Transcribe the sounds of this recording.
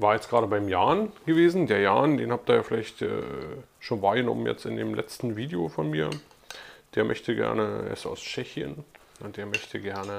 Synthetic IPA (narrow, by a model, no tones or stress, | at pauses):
vaːɐjɛt͡stɡ̥ʁaːɾəbaɪmjaːnɡ̥əveːzn̩deːɐjaːndeːnhaːp̚diːɐjaːfɪlaɪçtʔɛ̰ː | ʃoːnvaːɐɡənɔ̰mənjɛ̰t͡stɪndeːmlʔɛ̰t͡stn̩viːdeofɔnmiːɐ | d̥eːɐmʔœ̰çtəɡɛ̰ɐnəḛɪsta̰ʊst͡ʃɛçjə̰n | ʔʊnt̚d̥eːɐmœçtʰəɡɛɐnə